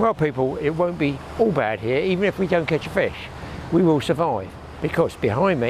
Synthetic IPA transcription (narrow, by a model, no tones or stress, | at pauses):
wɛlˠpipəl̩ˠɪt̚wə̃ʊ̃nb̥i | ɔlˠbæ̰d̚hiɹivɨ̃nɨfwidə̃ʊ̃nkʰɛt͡ʃəfɪʃ | wiwɪlˠsə˞vaɪv | b̥ɨkʰʌz̥b̥ɪhãɪ̃nmi